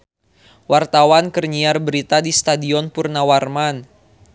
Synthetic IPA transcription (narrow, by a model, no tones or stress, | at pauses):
wart̪awankərɲiarbəɾit̪adist̪adiɔnpurnawarman